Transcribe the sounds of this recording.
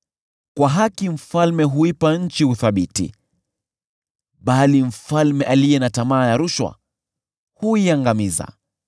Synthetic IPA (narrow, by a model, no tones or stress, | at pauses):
kwaɦakim̩falmɛɦuipaɲ̩t͡ʃihuθaɓitḭ | ɓalim̩falmɛʔalijɛnatamaːjaɾuʃwa̰ | huiaŋɡamiza̰